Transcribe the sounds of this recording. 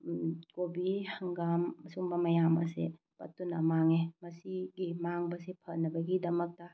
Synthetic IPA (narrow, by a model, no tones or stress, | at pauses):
kobihɐŋɡamːɐsuŋbɐmɐjamɐ̰sḛ | pɐ̰tːunɐmaŋemɐsiɡimaŋbɐsepʰɐnɐbɐɡidɐmɐk̚tɐ